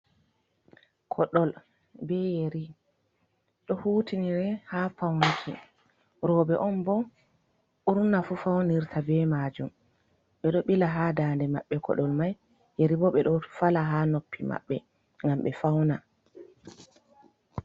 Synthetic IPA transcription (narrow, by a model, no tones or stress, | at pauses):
kʰɔɗɔl | bɛjeɾi | ɗɔhutʰiniɾɛhafawnikʰḭ | ɾɔːbɛʔɔnbɔ | uɾnafufawniɾtʰabɛmad͡ʒum | ɓɛɗɔɓilaɦaːdaːndɛmaɓːɛkʰɔ̰ɗɔlmaj | jeɾibɔɓɛɗɔfalaɦaːnopːima̰ɓːɛ̰ | ŋɡamɓɛfawna